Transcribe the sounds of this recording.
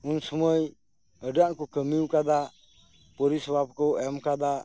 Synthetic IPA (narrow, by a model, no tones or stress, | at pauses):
unsɔməj | əɖaʔkukəmiwkad̪a | pɔɾisbab̚kɔɛmkad̪a